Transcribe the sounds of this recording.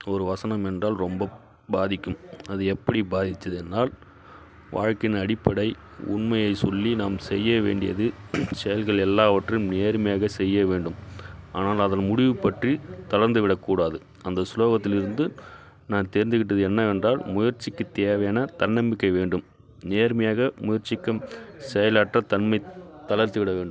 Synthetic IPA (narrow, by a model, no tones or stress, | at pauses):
ɔɾɯʋɐsɐnɐmɛndraːlɾɔmbɐ | baːðɪkːɯmɐðɯɛpːɐɽibaːðɪt͡ʃːɐðɯɛnːaːl | ʋa̰ːɻkɪnɐɽɪpːɐɽɐɪ | ʊ̰ɳmɐjɐɪsɔlːinaːmsɛjːɐʋḛːɳɖɪjɐ̰ðɯsɛjɐlɣɐɭɛlːaːʋɐʈrɯmneːɾɯmɐjaːɣɐsɛjːɐʋeːɳɖɯmaːnaːlɐðɐnmʊɽɪʋɯpɐʈrit̪ɐlɐɾnd̪ɯʋɪɽɐkːuːɽaːðɯ | ɐnd̪ɐsloːɣɐt̪ːɪlɪɾɯnd̪ɯ | naːnt̪eːɾɪnd̪ɯɣɪʈːɐðɯɛnːɐɛndraːlmʊjɐɾt͡ʃːɪkːɯt̪eːʋɐjaːnɐt̪ɐnːɐmbɪkːɐɪʋeːɳɖɯm | neːɾmɐjaːɣɐmʊjɐɾt͡ʃːɪkːɐmsɛjɐlaːʈrɐt̪ɐnmɐɪt̪ːɐlɐɾt̪ːɯʋɪɽɐʋeːɳɖɯm